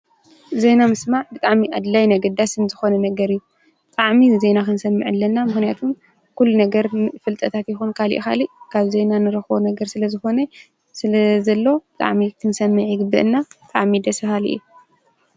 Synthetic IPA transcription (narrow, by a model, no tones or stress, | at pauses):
zejnamɨsmaʕbɨt̪ʼaʕmiʔad̪lajnɐɡɐd̪asɨnzɨxo̞nɐnɐɡɐɾɨjːu | bɨt̪ʼaʕmizenakɨnsɐmːɨ̰ʕɨlːɐnːamɨxnijat̪ʰum | kulːunɐɡɐɾfɨlt̪ʼɐt̪ʰat̪jɪxunkʰalḭʔxa̰liʔkʰaβzejnanɨɾɐxbonɐɡɐɾsɨlɐzɨxo̞nɐ | sɨlɐzɐlːo̞bɨt̪ʼa̰ʕmikʰɨnsɐmːɨʕjɪɡɨbːɨʔɨnːabɨt̪ʼaʕmid̪ɐsɨhaliʔɨ̰jːu